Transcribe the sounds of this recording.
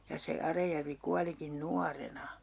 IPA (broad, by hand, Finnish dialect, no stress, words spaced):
jɑ se ɑrɑjærʋi kuɑlikin nuɑrenɑ